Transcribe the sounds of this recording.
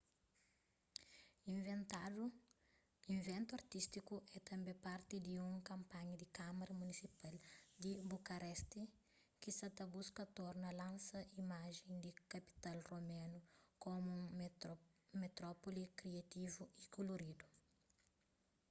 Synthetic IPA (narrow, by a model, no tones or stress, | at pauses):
ĩvẽnt̪adu | ĩɱvẽnt̪uɐɾt̪ist̪ikuʔɛt̪ɐ̃mbẽpaɾt̪id̪iũŋkɐ̃mpaɲɐd̪ikamɐɾɐmunisipald̪ibukɐɾɛst̪i | kisɐt̪ɐbuskɐt̪oɾnɐlãnsɐʔimaʒẽŋd̪ikɐpi̥t̪alromẽnukomũŋ | met̪ɾɔpolikɾiat̪ivuikoloɾid̪u